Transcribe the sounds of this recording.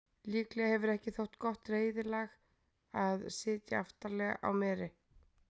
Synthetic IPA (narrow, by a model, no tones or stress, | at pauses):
liːklɛɣahɛvʏɾɛhcɪθowht̪kɔht̪reːjðɪlɛːɣ | aðsɪːt̪jaaft̪aɾlɛɣa̰ʔa̰wmɛːɾɪ